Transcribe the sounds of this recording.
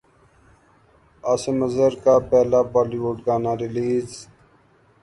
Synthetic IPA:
aːseməzəɾkaːpɛːlaːbaːliʋoːʈɡaːnaːɾɪliːz

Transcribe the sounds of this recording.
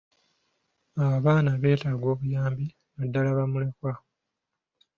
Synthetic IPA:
aβaβaːnaβe̞ːtaɡwo̞ːβujaːmbi | βadːalaβamulekwa

